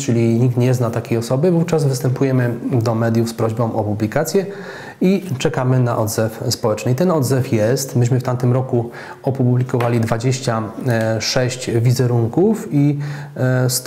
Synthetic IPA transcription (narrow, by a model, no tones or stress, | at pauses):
t͡ʂɘlʲiɲik̚t̪ɲɛznat̪akʲejɔsɔbɘvuft͡ʂazvɘst̪ɛmpujɛmɘd̪ɔmɛd̪ʲjufspɾɔʑbɔ̃w̃ɔpublʲikat̪sʲjɛ | it͡ʂɛkamɘnaʔɔd̪zɛfspɔwɛt͡ʂnɘjt̪ɛnɔd̪zɛfjɛst̪mɘɕ̬mɘft̪ant̪ɘmɾɔku | ɔpublʲikɔvalʲid̪vad͡ʑeɕt͡ɕaʂɛɕt͡ɕvʲizɛɾuŋkufi | st̪